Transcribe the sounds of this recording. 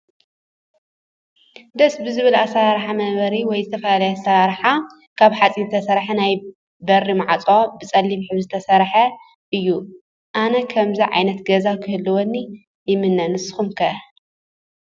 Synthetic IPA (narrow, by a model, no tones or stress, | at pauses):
d̪ɐsbɨzɨβɨlasaɾaɾħamɐβɐɾiwɔjzɨt̪ʰɐfɐlalɐjasɐɾaɾħa | kʰaβħat͡sʼint̪ʰɐsɐɾħɐnaj | bɐrːimaʕat͡sʼo̞bɨt͡sʼɐlːimħɨβzɨt̪ʰɐsɐɾħɐ | ʔɨjːu | ʔanɐkʰɐmziʕa̰jnɐt̪ɡɐzakʰɨhɨlːɨwonːi | jɪmɨnːɐnɨsɨ̥xumkʰɐ